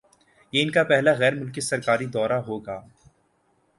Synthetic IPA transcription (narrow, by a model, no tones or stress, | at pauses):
jeɪnkapɛɦlaɣɛːɾmʊlkɪsɐɾkaːɾid̪ɔːɾaɦoːɡaː